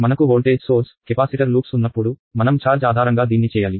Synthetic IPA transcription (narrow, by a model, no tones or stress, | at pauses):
mɐnɐkuɦoːlʈeːd͡ʒsoːɾskepaːsiʈɐɾluːksunːɐpːuɽumɐnɐmt͡ʃaːɾd͡ʒaːd̪ʱaːɾɐŋɡaːd̪iːnːit͡ʃɛːjaːli